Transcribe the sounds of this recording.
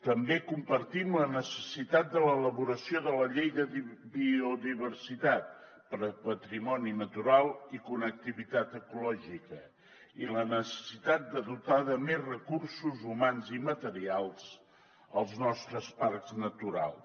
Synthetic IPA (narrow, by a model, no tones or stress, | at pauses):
t̪əmbekumpəɾt̪imlənəsəsit̪at̪̚d̪ələːləβuɾəsioðələʎejðəbiuðiβərsit̪at̪̚ | pəɾəpət̪ɾimɔninət̪uɾalˠikunək̚t̪iβit̪at̪əkulɔʒikə | ilənəsə̥sit̪at̪̚d̪əðut̪aðəmezrəkursuzumanzimət̪əɾialˠz̥ | əlˠznɔst̪ɾəsparkznət̪uɾa̰lˠ